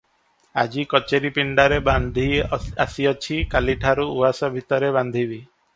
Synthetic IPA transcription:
a̰d͡ʒikɔt͡ʃeɾipiɳɖaɾeband̪ʱiasiɔt͡ʃʰikaliʈʰaɾuuasɔbʱit̪ɔɾeβand̪ʱibi

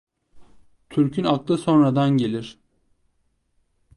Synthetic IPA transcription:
t̪ʰyɾcʰynaklˠɯso̞nɾad̪anɟe̞lʲiɾ̥

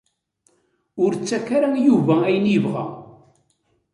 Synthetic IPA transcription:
ʊɾt͡sːækːaɾajuvææjənjiəvʁæ̰

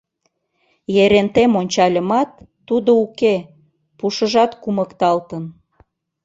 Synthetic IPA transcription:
jeɾent̪emonʲt͡ɕɑlʲə̆mɑt̪ː | ud̪ouke | puʃəʒɑt̪kuməkt̪ɑlt̪ən

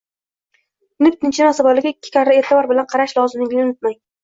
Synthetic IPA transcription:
nɪpt̪ʰɪnt͡ʃʰɪnasabɒlɪɡʲaɪkʲːɪ̥kʲʰaɾɾaeɾt̪ʰɪvɒɾbɪlanqʰɑɾaʃlˠɒzɪmnɪŋʲɡʲlɪnɪt̪maj

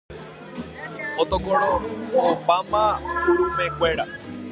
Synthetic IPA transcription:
ot̪oɡoɾõopamãuɾumẽkʷeɾa

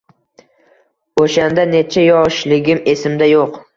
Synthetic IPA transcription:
oʃand̪ane̞t͡ʃʰajɒʃlɪɡʲɪme̞sɪmd̪ajoq

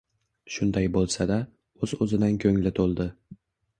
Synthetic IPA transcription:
ʃʊnd̪ajbolˠsad̪a | ɵzɵzɪd̪ankʲʰɵŋlɪt̪ʰolˠd̪ɪ

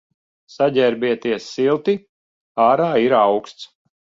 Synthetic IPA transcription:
saɟʲɛɾbʲiɛt̪iɛsːilˠt̪i | aːɾaːiɾawkst̪s

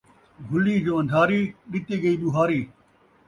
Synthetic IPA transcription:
ɡʱʊliːd͡ʒoːɐ̃nd̪ʱaːɾiːɗɪt̪iːɡɐiːɗʊɦaːɾiː

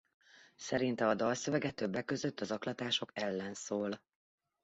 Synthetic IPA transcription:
sɛɾint̪ɛɒd̪ɒlsøvɛɡɛt̪øbːɛkːø̞zøt̪ːɒzɒklɒt̪aːʃo̞kɛlːɛnsoːl

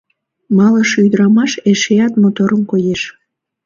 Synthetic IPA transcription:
mɑləʃyd̪əɾɑmɑʃeʃeɑt̪mot̪oɾəmkojeʃ

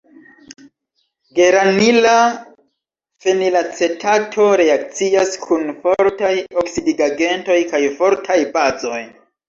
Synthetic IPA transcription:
ɡe̞ɾanila | fe̞nilat͡se̞tʰatʰo̞ɾe̞ak̚t͡siaskʰunfo̞ɾtajoksidiɡaɡe̞nto̞jkajfo̞ɾtʰajbazo̞j

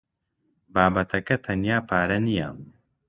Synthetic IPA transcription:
baːbɐt̪ʰɐkɐt̪ʰɐnjaːpʰaːɾɐnija̰n

